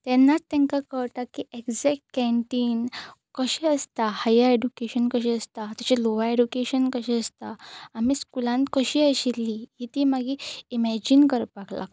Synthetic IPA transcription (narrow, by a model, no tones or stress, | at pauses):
t̪ɛnːat̪t̪ːɛ̃ŋkakəɭʈ̪akiekd͡zɛk̚ʈ̚kɛ̃ɳʈiːn | kəɕɛəst̪ahajaeɖukeɕənkəɕiəst̪at̪at͡ɕeloʋaeɖukeɕənkəɕɛəst̪aːmiːskulãnkəɕiːəɕilːiɦit̪iːmaɡiimɛd͡ʑinkəɾpakla̰k